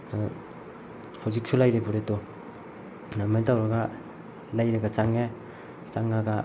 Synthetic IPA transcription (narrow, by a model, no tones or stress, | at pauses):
na | hawzik̚sʰulajɾebuɾeto | namejtawɾaɡa | lajɾaɡat͡ʃaŋe | t͡ʃaŋːaɡa